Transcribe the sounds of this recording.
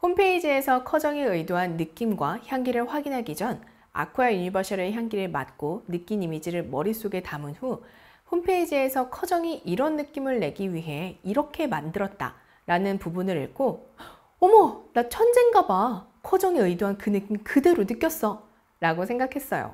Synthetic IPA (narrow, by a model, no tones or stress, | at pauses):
ɸompʰe̞id͡ʑie̞sʰʌkʰʌd͡ʑʌŋeɯjdoɦanːɯk͈imɡwaçjaŋɡiɾɯɭɸwaɡinɦaɡid͡ʑʌn | a̰kʰojajuɲibʌɕʰiɾɯçjaŋɡiɾɯɭma̰t̚k͈onɯk͈inimid͡ʑiɾɯɭmʌɾis͈oɡe̞tamɯnɸu | ɸompʰe̞id͡ʑie̞sʰʌkʰʌd͡ʑʌŋiʔiɾʌnːɯk͈imɯɭːe̞ɡiɥiɦe̞iɾʌkʰe̞mandɯɾʌt̚t͈a̰ | ɾanɯnpubunɯɾḭɭk͈ʰo | omʌnat͡ɕʰʌnd͡ʑeŋɡabakʰʌd͡ʑʌŋeɯidoɦankɯnɯk͈imkɯde̞ɾonɯk͈jʌs͈ʌ | ɾaɡosʰe̞ŋɡakʰe̞s͈ʌjo̰